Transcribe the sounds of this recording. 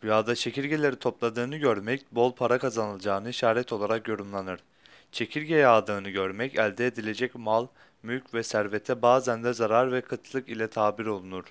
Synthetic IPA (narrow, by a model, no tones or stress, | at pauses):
b̥ujaːd̪at͡ʃʰe̞cʰiɾɟe̞lʲe̞ɾit̪ʰo̞plˠad̪ɯːnɯɟøɾmɛcbo̞lˠpʰaɾakʰazanɯlˠd͡ʒaːnɯiʃaːɾɛt̪ʰo̞lˠaɾakjo̞ɾymlˠanɯɾ̥ | t͡ʃʰe̞cʰiɾɟejaːd̪ɯːnɯɟøɾmɛcælʲd̪ɛːd̪ilʲe̞d͡ʒɛcmalˠ | mylcʰvɛsæɾvet̪ʰɛbaːzænd̪ɛzaɾaɾvɛkʰɯt̪ʰlˠɯkilʲɛt̪ʰaːbiɾo̞lˠunuɾ̥